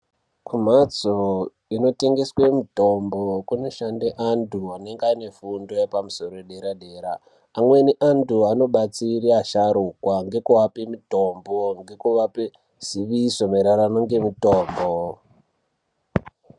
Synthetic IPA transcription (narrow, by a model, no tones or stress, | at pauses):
kum̤at͡so | ino̞te̞ŋɡe̞swemito̞mbokuno̞ʃandeʔantuane̞ŋɡane̞fundo̞jepamuso̞ɾoeɗeɾaɗe̞ːɾaː | mwe̞niʔanduano̞ɓat͡siriaʃaɾukwaŋɡe̞kuʋapemito̞mboŋɡe̞kuʋape | z̥iʋiso̞meɾaɾanoŋɡe̞mito̞ːmbo